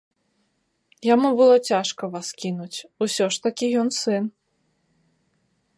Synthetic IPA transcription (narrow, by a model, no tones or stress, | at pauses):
jamubɨlˠɔt͡sʲaʂkɐvaskʲinut͡sʲusʲɔʂt̪akʲijɔnsɨn